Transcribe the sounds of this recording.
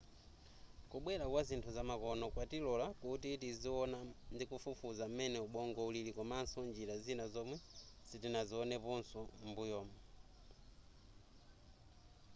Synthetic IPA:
kuɓwɛɾakwazintʰuzamakɔnɔkwatilɔlakutitiziɔnandikufufuzam̩mɛnɛuɓɔŋɡɔulilikɔmansɔnd͡ʒiɾazinazɔmwɛsitinaziɔnɛpɔnsɔmbujɔːmɔ

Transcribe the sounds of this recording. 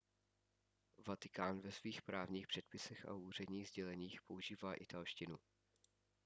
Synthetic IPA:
vat̪ɪkaːnvɛsviːxpɾaːvɲiːxpr̥ɛt̪̚pɪsɛxa̰uːr̝ɛdɲiːɣzɟɛlɛɲiːxpo̞uʒiːvaːʔɪt̪alʃcɪnu

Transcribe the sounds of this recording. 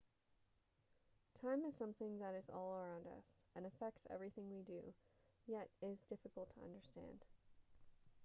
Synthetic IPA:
tʰãɪ̃mɨz̥sʌ̃mθɪ̃ŋðɨɾɨzɔ̰lˠə˞ãʊ̃ndʌ̰sɨ̃nɨfɛk̚tsɛ̰vɹiθɪ̃ŋwidɨjɛɾɪzdɪfɨkl̩ˠtʰəʌ̰̃ndə˞stæ̰̃nd̥

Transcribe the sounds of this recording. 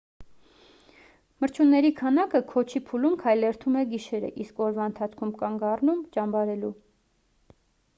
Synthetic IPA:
məɾt͡ʃʰunːɛɾikʰɑnɑkəkʰɔt͡ʃʰipʰulumkʰɑjlɛɾt̪ʰumɛɡiʃɛɾə̰ʔiskɔɾvɑənt̪ʰɑt͡sʰkʰumkɑŋɡɑrnumt͡ʃɑmbɑɾɛlu

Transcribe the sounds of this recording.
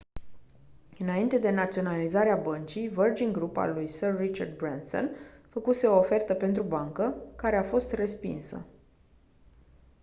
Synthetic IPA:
ɨnaint̪e̞d̪e̞nat̪sio̞nalizaɾeabənt͡ʃijvərd͡ʒiŋɡɾupa̰lujsərːit͡ʃard̪̚bɾanso̰nfəkuse̞o̞ːfe̞rt̪əpe̞nt̪ɾubaŋkəkaɾe̞afo̞st̪re̞spḭnsə̰

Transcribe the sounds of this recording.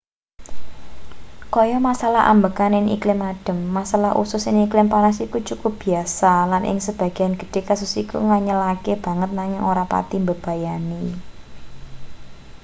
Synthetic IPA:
kɔjɔmasalahʔa̰mbəkanɪŋḭklɪmaɖ̥ə̤mːasalaɦʔṵsʊsɪŋiklɪmpanasikut͡ʃukʊp̚b̥i̤asalanʔɪ̰ŋsəb̥ä̤ɡ̥i̤anɡ̥ə̤̥ɖ̥e̤kasʊsikṵŋaɲəlakeb̥ä̤ŋət̪̚naŋɪŋoɾapa̰t̪imbəb̥a̤jani

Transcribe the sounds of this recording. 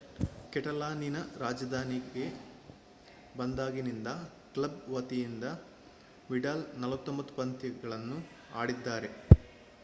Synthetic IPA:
kɛʈɐlaːninɐɾaːd͡ʒɐd̪ʱaːniɡe̞ | bɐnd̪aːɡinind̪ɐ | klɐbʋɐt̪ijind̪ɐ | ʋiɖaːlnɐlʋɐt̪ːombɐt̪ːu̥pɐnt̪iɡɐɭɐnːu | aːɽid̪ːaːɾe̞

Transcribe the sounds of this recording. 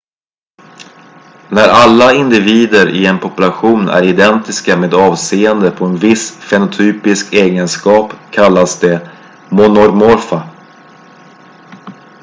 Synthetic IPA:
næɾalːaɪnd̪ɪviːd̪əɾʔɪ̰ɛnpʰɔpɵlaɧuːnʔæ̰ɾɪd̪ɛnt̪ɪskameːd̪ɑːvseːənd̪əpʰɔɛnvɪsfɛnʊt̪ʰyːpɪskʰeːɡənskɑːpkʰalːasd̪ɛ | mɔnɔɾmɔɾfa

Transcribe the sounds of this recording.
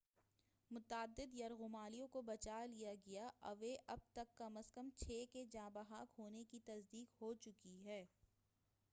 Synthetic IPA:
mʊt̪aːd̪ːɪd̪jɐɾɣʊmaːlijõkobɐt͡ʃaːlijaɡɐjaʔɐ̰ʋeʔɐb̚t̪ɐkːɐməskəmt͡ʃʰeːked͡ʒãːbəɦaːkɦoːnekit̪ɐzd̪iːkɦoːt͡ʃʊkiɦɛː

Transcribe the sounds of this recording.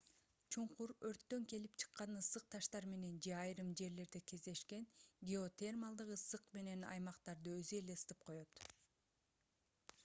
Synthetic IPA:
t͡ʃʰuɴquɾøɾt̪ːø̞ŋke̞lipt͡ʃʰɯ̥qːɑnɯsɯq̚t̪ʰɑʃt̪ɑɾme̞ne̞nd͡ʒe̞ɑjɾɯmd͡ʒe̞ɾle̞ɾd̪eke̞zd̪e̞ʃke̞nɡʲeo̞t̪ʲermɑlˠd̪ɯqɯsɯqme̞ne̞nɑ̰jmɑqt̪ɑɾd̪ɯøzye̞le̞st̪ɯp̚qʰo̞jo̞t̪

